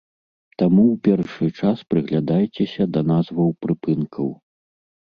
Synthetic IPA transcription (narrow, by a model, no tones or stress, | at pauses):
t̪amuwpʲɛrʂɨt͡ʂaspɾɨɣlʲad̪ajt͡sʲɛsʲɐd̪ɐnazvɐwpɾɨpɨnkʰɐw